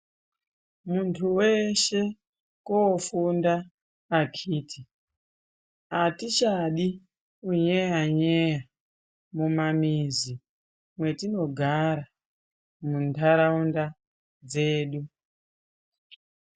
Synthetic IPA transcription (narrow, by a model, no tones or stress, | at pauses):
muntʰuweʃe̞ | koːfundaː | kʰiːtʰi | atit͡ʃaɗi | uɲejaɲeja | mumamizi | mwe̞tino̞ɡʱaɾa | muntʰaɾaunda | d͡ze̞ːɗu